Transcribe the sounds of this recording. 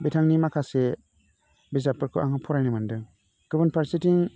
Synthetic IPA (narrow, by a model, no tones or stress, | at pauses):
betʰaŋnimakʰase | bizapʰɯɾkʰɯʔaŋapʰɔɾajnɯmandɯŋ | ɡ̥ɯbɯnpʰaɾsitiŋ